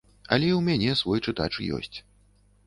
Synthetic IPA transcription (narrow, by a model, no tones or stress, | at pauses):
ɐ̰lʲɛiwmʲanʲɛsvɔjt͡ʂɨt̪a̰t͡ʂɨ̰jɔ̰sʲt͡sʲ